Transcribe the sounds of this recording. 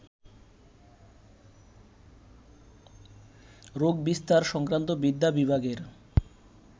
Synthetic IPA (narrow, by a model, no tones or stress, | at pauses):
ɾoɡ̚bist̪aɾʃɔŋkɾant̪obid̪ʱːabibʱaɡeɾ